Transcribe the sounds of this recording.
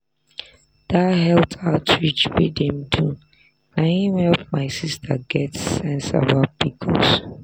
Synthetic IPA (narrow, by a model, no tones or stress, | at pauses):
d̥ahɛl̚tʰaʊtɹit͡ʃwidɛ̃mdu | naɪinhɛlpmaɪsistʰaɡɛtːɛ̃nsa̰bat̚b̥ikʰɔ̰s